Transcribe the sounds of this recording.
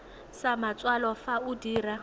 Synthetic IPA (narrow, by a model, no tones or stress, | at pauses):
samat͡sʼwalɔfaudiːra